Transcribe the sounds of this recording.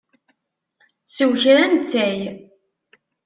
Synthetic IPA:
səwçɾænt͡s̪ːæj

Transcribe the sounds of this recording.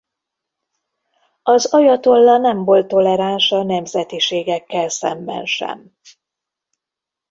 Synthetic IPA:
ɒzɒjɒt̪o̞lːɒnɛɱvo̞lt̪ːo̞lɛɾanʃɒnɛmzɛt̪iʃeːɡɛkːɛlsɛ̰mbɛ̰nʃɛ̰m

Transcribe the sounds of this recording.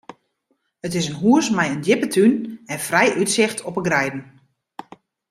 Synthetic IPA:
ətɪsənɦuəsmɛjəndjɪpətʰynɛnfrɛjʔytsɪxtʰɔpəɡrɛjdən̩

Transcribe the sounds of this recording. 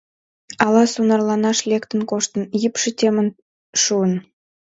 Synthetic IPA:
ɑlɑsunɑrlɑnɑʃlʲekt̪ənkoʃt̪ə̆njipʃə̆t̪ʲemən | ʃuən

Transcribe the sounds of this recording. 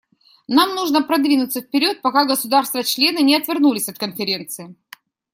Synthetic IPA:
namnuʐnəpɾɐd̪vʲinʊt̪səfpʲɪɾʲo̞t̪̚pɐkaɡəsʊd̪arst̪vət͡ɕlʲe̞nɨnʲɪɐt̪vʲɪrnulʲɪsʲɐt̪̚kənfʲɪɾʲe̞nt̪sɨɪ

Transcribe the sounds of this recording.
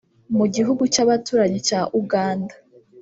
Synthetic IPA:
muɟiɦuɡut͡ʃaβatuːɾaɲet͡ʃaʔuɡaːnda

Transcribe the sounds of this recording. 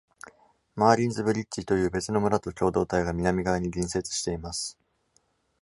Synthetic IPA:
maːɾʲĩnzɨbɯ̟ɾʲit͡ɕːit̪o̞jɯ̟ːbe̞t͡sɨno̞mɯ̟ɾat̪o̞kʲo̞ːd̪o̞ːt̪aiɡamʲinamʲiɡaɲ̟iɡʲĩɰ̃se̞t͡sɨ̥ɕi̥t̪e̞imasɨ̥

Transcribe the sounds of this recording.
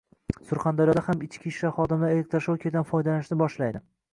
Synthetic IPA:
sʊɾχand̪aɾjɒd̪ahamɪt͡ʃkʲʰiʃlaχɒd̪ɪmlaɾelek̚ʲt̪ɾʃokʲʰed̪anfɒjd̪alanɪʃnɪbɒʃlajd̪ɪ

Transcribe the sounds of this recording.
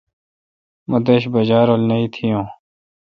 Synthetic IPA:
mɐd̪eɕbɐd͡ʑaːɾolnɐit̪ʰijõː

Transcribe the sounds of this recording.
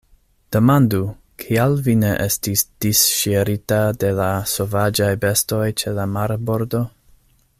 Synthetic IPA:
d̥e̞mandu | kʰialvine̞ʔestisd̥isʃeɾitade̞lasovad͡ʒajbe̞sto̞jt͡ʃe̞lamaɾbo̞ɾdo̞

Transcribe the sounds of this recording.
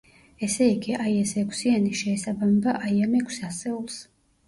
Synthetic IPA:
ɛsɛiɡiʔaiɛsɛkʷʰsianiʃɛːsabamɛbaʔajamɛkʷʰsasɛulˠs

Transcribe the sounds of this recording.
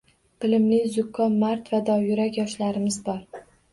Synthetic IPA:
b̥ɪlɪmlɪzʊkʰːɒnmaɾt̪vad̪ɒjʊɾakʲjɒʃlaɾɪmɪzbɒɾ

